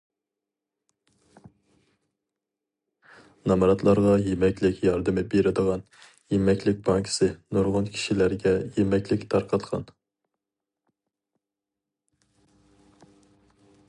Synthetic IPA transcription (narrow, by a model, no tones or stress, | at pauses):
nɑmɾɑt̪ʰlˠɑɾʁɑjemɛkʲlɪkʲjɑɾd̪ɨmɪbeɾɪd̪əʁɑn | jemɛkʲlɪk̚ʲbɑŋkʲʰɪ̥sɪnoɾʁʊnkʲʰi̥ʃilæɾɡʲɛjemɛkʲlɪkʲt̪ʰɑɾqʰɑt̪qʰɑ̰n